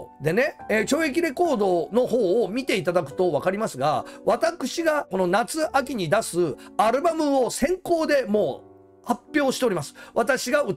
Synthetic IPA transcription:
d̪e̞ne̞et͡ɕo̞ːekʲiɾe̞ko̞ːd̪o̞no̞ho̞ːmʲit̪e̞it̪ad̪akɯ̟̥t̪o̞βakaɾʲimasɨɡa̰βat̪akɯ̟̥ɕiɡako̞no̞nat͡sɨʔakʲiɲ̟id̪asɨaɾɯ̟bamɯ̟o̞sẽ̞ŋko̞ːd̪e̞mo̞ː | hapʲːjo̞ːɕi̥t̪eo̞ɾʲimasɨ̥βat̪aɕiɡaɯ̟

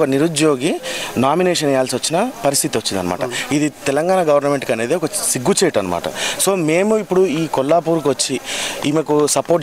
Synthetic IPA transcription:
kɐniɾud͡ʒjoːɡinaːmineːʂɐnjaːlsʋɐt͡ʃːinɐpɐɾist̪ʰit̪iʋɐt͡ʃːid̪ɐ̰nɐma̰ːʈɐ̰id̪it̪ɛlɐŋɡaːɳɐɡɐʋɐɾnɐmeɳʈkɐnːeːd̪eokɐsiɡːut͡ʃeːʈɐnːɐma̰ːʈɐ̰soːmeːmuipːuɽuiːkɔlːaːpuːɾukʋɐt͡ʃːiimekusɐpoːʈ̚

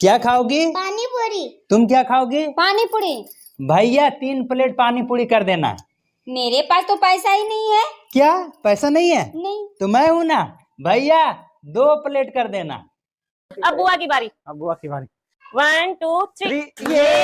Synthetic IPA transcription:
kjaːkʰaːoːɡiːpaːniboːɾiːt̪ʊmkjaːkʰaːoːɡiːpaːnipʊɽi | bʱaːɪjat̪iːnpleːʈ̚paːnipʊɽikɐɾd̪eːna̰ː | meːɾepaːst̪opɛːsaɦinɐɦĩɦɛːkjaːpɛːsanɐɦĩɦɛːnɐĩt̪omɛ̃ɦũnaː | bʱaːɪja | d̪oːpəleːʈkɐɾd̪eːna̰ː | ɐb̚ɡʊʋakibaːɾiːɐb̚ɡʊʋakibaːɾi | ʋɐnʈuːt̪ʰːɾiːje

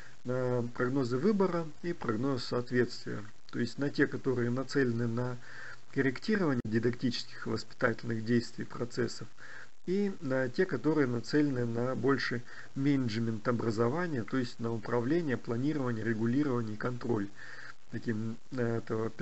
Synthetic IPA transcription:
nəpɾɐɡno̞zɨvɨbəɾə | ipɾɐɡno̞zsɐːt̪vʲe̞t̪st̪vʲɪ̰jə̰ | t̪o̞ɪsʲtʲnɐtʲe̞kɐt̪o̞ɾɨjənɐt̪sɛlʲɪnɨnə | kəɾʲɪktʲiɾəvənʲɪjədʲɪd̪ɐktʲit͡ɕɪ̥skʲɪ̥xvəspʲɪ̥t̪atʲɪlʲnɨɣdʲejst̪vʲɪjpɾɐt̪sɛsːəf | inɐtʲe̞kɐt̪o̞ɾɨjənɐt̪sɛlʲɪnɨnɐbo̞lʲʂɨj | mʲenʲɪʐmʲɪnt̪ɐbɾəzɐvanʲɪjət̪o̞ɪsʲtʲnəʊpɾɐvlʲenʲɪjəplˠɐnʲiɾəvənʲɪjəɾʲɪɡʊlʲiɾəvənʲɪikɐnt̪ɾo̞̰lʲ | t̪ɐkʲim | ɛt̪əvəpʲ

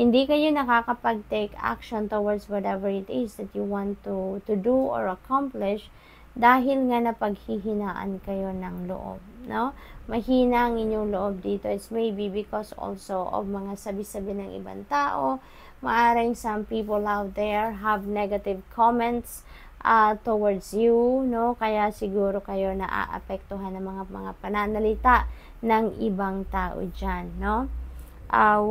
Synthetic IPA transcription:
hɪnd̪ikɐjo̞nɐkakɐpɐɡ̚t̪ejka̰kʃont̪owɐɹd̪swɐt̪ɛvɛɹɪt̪ɪsd̪ɐt̪juwãnt̪ut̪ʊd̪uʔo̰ɹɐkʰamplɪʃ | d̪aːɦɪlŋanɐpɐɡ̚hiɦɪnaːʔɐ̰nkɐjo̞nɐŋlo̰ʔo̰b̚no̞mɐhiːnɐʔɐŋʔɪɲoŋloʔob̚d̪iːt̪o̞ɪt̪smejbibɪkoso̰lsoʔo̰vmɐŋasɐbɪsɐbɪnɐŋʔɪ̰ba̰nt̪aːʔo | mɐʔaːɾɪŋsɐmpiːpolʔawt̪̚d̪ɛɹɦɐvnɛɡɐt̪ɪvkʰomɛnt̪s | ʔat̪owɐɹd̪sjuno̞kɐjasɪɡuːɾo̞kɐjo̞nɐʔa̰ːʔɐ̰pɛk̚t̪ʊɦanːɐŋmɐŋamɐŋapɐnanɐlɪt̪aʔ | nɐŋʔɪbaŋt̪aːʔo̰d͡ʒanːo̞ | ʔa

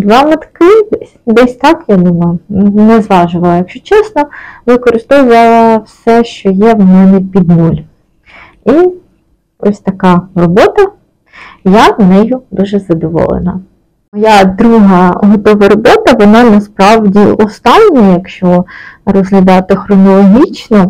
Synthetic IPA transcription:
d̪ʋɑmɐt̪kɪd̪ɛsʲd̪ɛsʲt̪ɑkjad̪umɐjʊnnɛzʋɑʒʊʋɐlˠɐjɐkʃt͡ʃɔt͡ʃɛsnɔʋɪkɔɾɪst̪ɔʋʊʋɐlˠɐwsɛʃt͡ʃɔjɛwmɛnɛpʲid̪nulʲ | i | ɔ̰sʲt̪ɐkɑrɔbɔt̪ɐ | janɛjʊd̪uʒɛzɐd̪ɔʋɔ̰lˠḛnɐ | mɔjad̪ɾuɦɐɦɔt̪ɔʋɐɾɔbɔt̪ɐʋɔnɑnɐspɾɑwdʲiʔɔst̪ɑnʲːɐjɐkʃt͡ʃɔrɔzɦlʲɐd̪ɑt̪ɪxɾɔnɔlˠɔɦʲit͡ʃnɔ

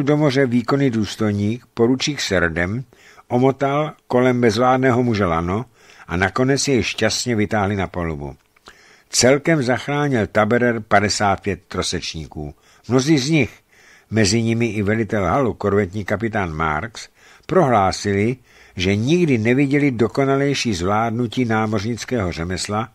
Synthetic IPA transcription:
ldo̞mo̞r̝ɛviːko̞niduːst̪o̞jɲiːkpo̞ɾut͡ʃiːxsɛɾdɛm | ʔo̞mo̞t̪alko̞lɛmbɛzvlaːdnɛːɦo̞muʒɛlano̞ | ʔanako̞nɛt͡sjɛjʃcast̪ɲɛvɪt̪aːɦlɪnapolubṵ | t͡sɛlkɛmzaxɾaːɲɪlt̪abɛɾɛɾpadɛsaːt̪̚pjɛt̪̚ːɾo̞sɛt͡ʃɲiːkṵː | mno̞ziːzɲɪx | mɛzɪɲɪmɪʔɪvɛlɪt̪ɛlɦalukoɾvɛt̪ɲiːkap̬ɪt̪aːnma̰ɾks | pɾo̞ɦlaːsɪlɪ | ʒɛɲɪɡdɪnɛvɪɟɛlɪdo̞ko̞nalɛjʃiːzvlaːdnuciːnaːmo̞rɲɪt͡skɛːɦo̞r̝ɛmɛsla

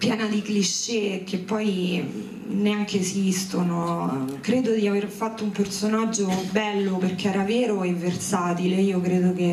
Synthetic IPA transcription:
pjɛːnad̪ikliʃːek̟epːɔj | neaŋkeːsist̪onokɾeːd̪od̪iaverfat̪ːoumpersonad͡ʒːobɛlːoperk̟eɛːɾaveːɾoevːersaːt̪ileiːokɾeːd̪oke

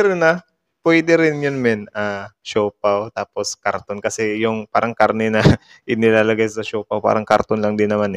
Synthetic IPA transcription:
ɛɾnɐ | pwɛd̪ɛɾɪnjʊnmɛnʔaʃoːpɐwt̪aːpo̞skɐɾt̪onkɐsɛjʊŋpa̰ːɾɐŋkaɾnɛnɐ | ʔɪnɪlaːlɐɡajsɐʃoːpɐwpa̰ːɾɐŋkɐɾt̪onlɐŋd̪ɪnːɐmanɛ

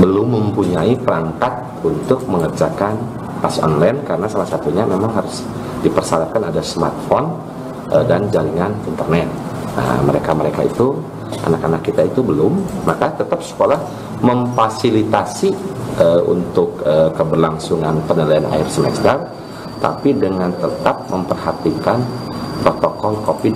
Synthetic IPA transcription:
bəlʊmːəmpuɲaipəɾaŋkat̪̚ | unt̪ʊk̚məŋərd͡ʒakan | pasɔ̰nlajnkaɾənasalasat̪uɲamemaŋɦaɾʊs | dipərsalat̚kanadasma̰rt̪̚fɔn | ʔədand͡ʒaliŋanint̪ərnɛt̪̚ | na̰məɾekaməɾekaḭt̪u | ʔa̰nakanakːit̪ait̪ubəlʊmːakat̪ət̪ap̚sə̥kolah | məmfasilit̪asiəʔṵnt̪ʊkəkːəbərlaŋsuŋanpənəlaanʔa̰ɪrsəmɛkst̪ar | t̪a̰pidəŋant̪ət̪ap̚məmpərhat̪ikan | pɾot̪okɔlkofi

